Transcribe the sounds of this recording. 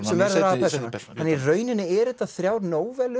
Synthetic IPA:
sɛmvɛɾðʏɾaðpʰɛt̪ɪnaanːirœːɥnɪnːɪɛɾɛht̪ːaθɾjaːwɾnoːwvɛlʏ

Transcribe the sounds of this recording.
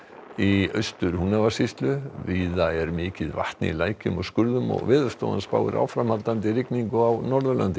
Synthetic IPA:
iœɥst̪ʏɾhunavasist̪lʏviːðaɛɾmɪːcɪðva̰ht̪nɪ̰ilaːjcʏmɔɣskʏɾðʏmɔ̰ɣvɪːðʏ̥st̪o̰ːwa̰nspa̰ːwɪ̰ɾʔa̰ːwfɾamhalt̪ant̪ɪɾɪkniŋkʏawnɔɾðʏla̰nt̪ɪ

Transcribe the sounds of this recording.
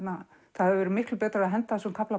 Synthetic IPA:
t̪na | θahavɪvɛːɾɪmɪhklʏpɛːt̪ɾaɾaðɦɛnt̪asɔkʰapla

